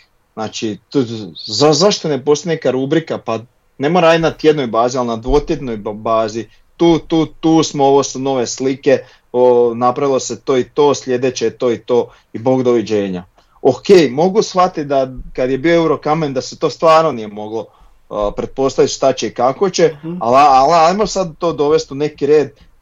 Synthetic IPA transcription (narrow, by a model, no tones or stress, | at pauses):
znaːt͡ʃi | zazaʃt̪one̞po̞st̪anekaɾubɾikapa | nemoɾaj̪nat̪jed̪no̞jbaːzialinad̪ʋoːt̪je̞d̪no̞jbaːzi | t̪uːt̪uːt̪uːsmooʋo̞suno̞ʋe̞slike̞ | onapɾaʋilˠo̞set̪oːit̪o̞ːsʎʲe̞d̪et͡ɕet̪o̞ːit̪o̞ː | iboɡd̪o̞ʋid͡ʑe̞ːɲa | oke̞ːjmo̞ɡusxfat̪id̪akad̪je̞bioeuɾo̞kamend̪aset̪o̞ːst̪ʋaːɾnonije̞mo̞ɡlo̞ | pɾe̞t̪̚po̞st̪aʋit̪ʃt̪at͡ɕeikako̞t͡ɕealaalajmosad̪̚t̪o̞ːd̪o̞ʋe̞st̪une̞kiɾe̞ːd̪